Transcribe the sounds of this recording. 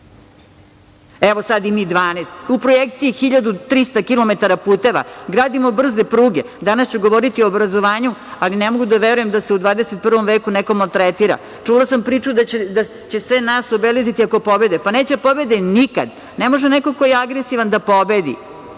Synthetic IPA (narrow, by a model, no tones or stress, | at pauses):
eʋosad̪imiːd̪ʋaːnest̪upɾojek̚t̪siixiʎad̪ut̪ɾist̪akilˠomet̪aɾapuːt̪eʋa̰ɡɾaːd̪imo̞br̩ze̞pɾuːɡe̞ | d̪anast͡ɕuɡoʋoɾit̪ioːbɾazo̞ʋaːɲualinemo̞ɡud̪aʋeɾuje̞md̪aseud̪ʋaːd̪eset̪̚pr̩ʋo̞mʋeːkunekomolt̪ɾet̪iɾa̰ | t͡ʂulˠasampɾiːt͡ʃud̪ad̪a | t͡ɕe̞sʋenaːsobelizit̪iako̞po̞be̞d̪epane̞ːt͡ɕepo̞be̞d̪enika̰d̪ | nemo̞ʒeneko̞kojeaɡɾesiʋand̪apo̞be̞d̪ḭ